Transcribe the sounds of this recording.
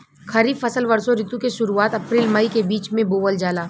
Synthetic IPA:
xʰɐɾiːbfɐsəlʋɐɾsoɾɪt̪ukeʃʊɾuaːt̪ɐpɾiːlməikebiːt͡ʃmẽboːʋəld͡ʒaːlaː

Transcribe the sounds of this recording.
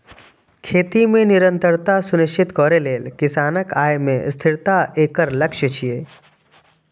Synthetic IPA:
kʰeːt̪imẽnɪɾə̃nt̪əɾt̪asʊnɪʃt͡ʃɪt̪kɔːɾeleːlkɪsaːnəkaːjmḛ̃st̪ʰɪɾt̪aʔeːkəɾlɐkʃət͡ʃʰieː

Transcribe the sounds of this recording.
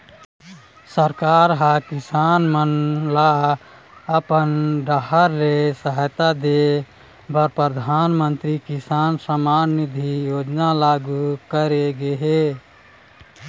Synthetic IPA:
səɾkaɾɦakɪsanmənla | əpənɖəɦəɾlesəɦəjt̪ad̪e | bəɾpɾəd̪ʱanmənt̪ɾikɪsaːnsəmaːnːid̪ʱijoːd͡ʒnalaɡukəɾeɡeɦe

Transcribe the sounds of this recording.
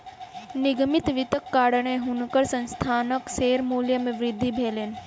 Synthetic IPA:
nɪɡmɪt̪ʋɪt̪əkːaːɽəɳ̃ẽɦʊnkəɾsə̃nst̪ʰaːnəkseːɾmuːljəmẽʋɾɪd̪ʱːibʱeːleːn

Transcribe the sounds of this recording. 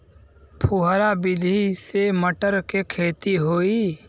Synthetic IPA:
pʰʊɦɾabɪd̪ʱiseməʈəɾkekʰeːt̪iɦoːi

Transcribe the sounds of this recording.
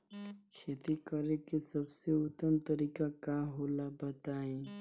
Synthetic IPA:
kʰet̪ikəɾekesəbseʊt̪ːəmt̪əɾikakaɦolabət̪aẽ

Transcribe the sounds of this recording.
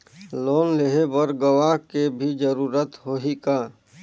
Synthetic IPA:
loːnleɦebəɾɡəʋaɦkebʱid͡ʒəɾuːɾət̪ɦoːɦikaː

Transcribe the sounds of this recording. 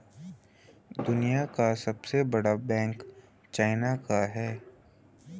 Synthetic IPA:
d̪ʊnijakasɐbsebɐɽabɛ̃ːŋk | t͡ʃaːɪnakaɦɛː

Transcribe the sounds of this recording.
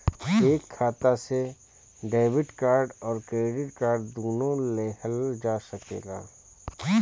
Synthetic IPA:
eːkʰːaːt̪ase | ɖaːbɪʈkaːɾɖɔːɾkɾeːɖɪʈkaːɾɖd̪oːnõleːɦəld͡ʒaːsəkḛːɡa̰ː

